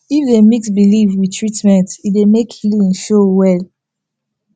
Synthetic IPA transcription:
ifdemiksbilivwitʰɹitmɛ̃ntidemekhilĩnʃowɛl

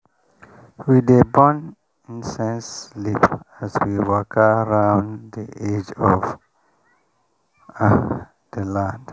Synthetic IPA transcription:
wid̪ebɔ̃n | ĩnsɛ̃nslipæswiwəkʰəɾãʊ̃nd̪ied͡ʒɔv | d̪̥əlãnd

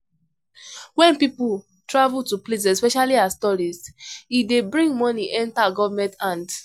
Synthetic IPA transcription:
wɛ̃npipu | tɹavutuplizɛspɛʃaliastɔɹizidebɹĩŋɡmɔniʔɛ̃ntaɡɔvamɛ̃ntãnd

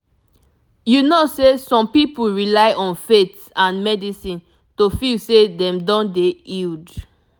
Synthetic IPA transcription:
junosesɔ̃mpipuɹilaɪʔɔ̃nfet | ãnmɛdisĩn | tofilsedɛ̃mdɔ̃ndeild

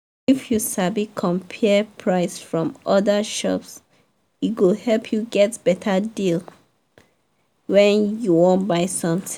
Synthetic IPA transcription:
ifjusabikʰɔ̃mpʰɛpʰɹaɪsfɹɔ̃mʔɔdəʃɔ̰ps | itɡohɛlpʰjuɡɛtb̥ɛtʰədil | wɛ̃njuwõntbaɪsɔ̃mt

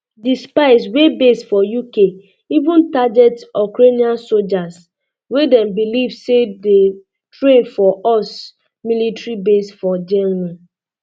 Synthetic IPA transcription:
dispaɪswebesfɔjuke | ivũntad͡ʒɛtɔkɾeniãnsold͡ʒas | wedɛ̃mbilivsede | tɾẽnfɔʔɔs | militɾibesfɔd͡ʒɛnmĩ

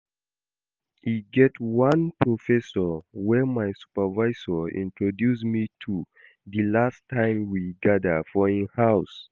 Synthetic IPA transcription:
hiɡɛtwãnpʰɹofɛsɔwɛmaɪsu̥pəvaɪsɔḭ̃ntʰɹodjusmitʰu | ðilastʰːãɪ̃mwiɡadəfɔĩnhaʊs

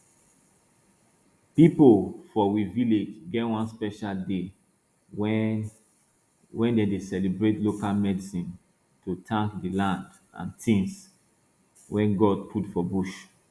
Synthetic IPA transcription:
pipofɔwiviled͡ʒɡɛtwãnspɛʃalde | wɛ | wɛ̃ndedesɛlibɹetlokalmɛdisĩn | tutʰãŋkdilãnd | ã̰ntʰĩns | wʔɛ̃nɡɔd̚pʰutfɔbuʃ

